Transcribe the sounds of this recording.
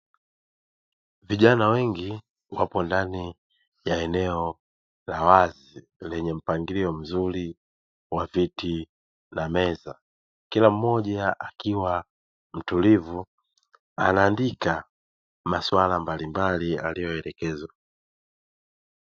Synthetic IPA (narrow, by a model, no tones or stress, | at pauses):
viʄanawɛŋɡi | wapɔndani | jaɛnɛɔ | lawaz | i | lɛɲɛm̩paŋɡiliɔm̩zuli | waviti | namɛza | kilam̩mɔʄaakiwa | m̩tulivu | a̰naːndika | maswalambalimbalia̰lijɔɛlɛkɛzwa